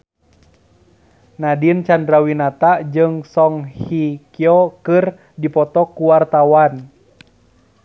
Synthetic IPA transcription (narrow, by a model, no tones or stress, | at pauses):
nadint͡ʃandɾawinat̪ad͡ʒɨŋsɔŋhikiɔkɨr | dipɔt̪ɔkuwart̪awan